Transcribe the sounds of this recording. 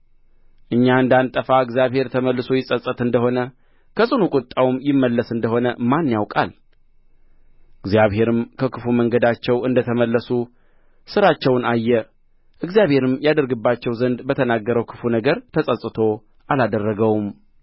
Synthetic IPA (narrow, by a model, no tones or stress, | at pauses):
ʔɨɲːaɨnd̪ant̪ʼəfaɨɡzjaβhe̞ɾt̪ʰəməlːɨso̞jɪsʼəsʼːət̪ɨnd̪əho̞nə | kʰəsʼɨnukʼʊt̪ʼːawumjɪmːəlːəsɨnd̪əho̞nəmanːjawkʼa̰l | ɨɡzjaβhe̞ɾɨmkʰəkʰɨfuməŋɡəd̪at͡ʃːɛwɨnd̪ət̪ʰəməlːəsu | sɨɾat͡ʃːɛwnajːɛ | ʔɨɡzjaβhe̞ɾɨmjad̪əɾɡɨbːat͡ʃːɛwzənd̪bət̪ʰənaɡːəɾəwkʰɨ̥funəɡəɾt̪ʰəsʼəsʼɨt̪ʰo̞ | alad̪ərːəɡəwum